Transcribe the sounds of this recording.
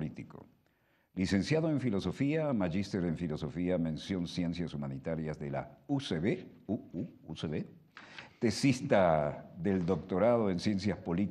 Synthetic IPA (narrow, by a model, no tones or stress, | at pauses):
lit̪iko̞̰ | lise̞nsjaðoe̞ɱfilo̞so̞fiamaʝist̪eɾe̞ɱfilo̞so̞fiamẽ̞nsjo̞nsje̞nsjasumanit̪aɾjazðela̰useβe | uuuseβe | t̪esist̪aðeld̪o̞k̚t̪o̞ɾaðo̞e̞nsje̞nsjaspo̞lit̪